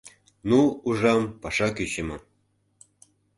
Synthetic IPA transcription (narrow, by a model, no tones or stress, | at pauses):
nuuʒɑmpɑʃɑkyt͡ɕəmɤ̆